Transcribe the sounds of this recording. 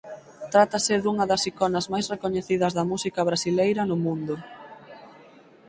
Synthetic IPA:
t̪ɾat̪ɐsɪðuŋɐðɐsikɔnɐzmajsrekoɲeθið̞ɐzðɐmusikɐβ̞ɾasilejɾɐnʊmũnd̪ʊ

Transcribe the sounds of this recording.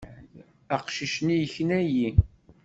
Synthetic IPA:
æqʃiʃnijəçənæji

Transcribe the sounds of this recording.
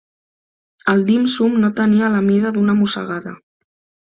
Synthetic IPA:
əlˠd̪imsumnot̪əniələmiðəðunəmusə̰ɣaðə̰

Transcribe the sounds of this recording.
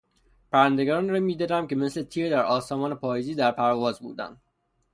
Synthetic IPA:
pʰæɾænd̪eɡɾːnɾɒmiːd̪ed̪æmce̞mesle̞t̪ʰiːɾd̪æɾɒːsɒːmɒːnepʰɒːjeziːd̪æɾpʰæɾɒvɒːzbṵːd̪æ̰nd̪

